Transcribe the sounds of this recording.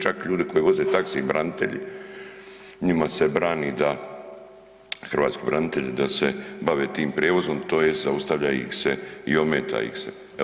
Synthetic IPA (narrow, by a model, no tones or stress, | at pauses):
t͡ʃakʎuːd̪iko̞jiʋo̞zeːt̪akseibɾanit̪e̞̰ʎḭ | ɲimase̞bɾaːniːd̪a | xrʋa̰ːt̪skibɾanit̪eʎd̪asebaʋeːt̪iːmpɾeːʋo̞zomt̪o̞ːjest̪zaust̪aʋʎaḭxseio̞meːt̪ʰa̰ːjḭxsḛ